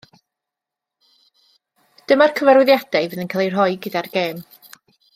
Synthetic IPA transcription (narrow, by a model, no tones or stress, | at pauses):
d̥əmarkʰəvɛɾwɨðjad̥ɛjvɨðənkʰalˠejrɦɔɨɡədarɡeːm